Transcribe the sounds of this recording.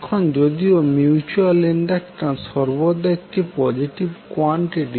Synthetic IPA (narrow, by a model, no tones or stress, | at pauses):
kʰond͡ʑod̪iomjuut͡ɕualiɳɖakʈasɔɾbod̪aek̚ʈipɔd͡ʑiʈibkɔɳʈiʈi